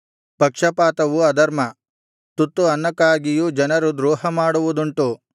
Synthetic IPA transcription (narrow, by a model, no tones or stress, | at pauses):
pɐkʂɐpaːt̪ɐʋuɐd̪ɐɾmɐ | t̪ut̪ːuɐnːɐkaːɡijud͡ʒɐnɐɾud̪ɾuːɦɐmaːɽuʋud̪uɳʈu